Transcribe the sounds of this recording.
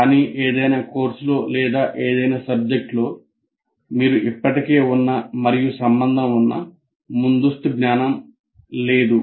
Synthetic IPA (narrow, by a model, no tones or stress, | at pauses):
kaːniːʔeːd̪ɐjnaːko̞ːɾsulo̞ːlɛːd̪aːʔeːd̪ɐjnaːsɐb̚d͡ʒek̚ʈlo̞ː | miːɾuʔipːɐʈike̞ːunːɐmɐɾijusɐmbɐnd̪ʱɐmunːɐ̰ | mund̪usʈuɡnaːnɐm | le̞ːd̪u